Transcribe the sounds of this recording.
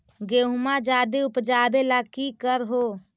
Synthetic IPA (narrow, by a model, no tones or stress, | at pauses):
ɡeɦmad͡ʒaːd̪eʊpd͡ʒaːbelakikəɾɦo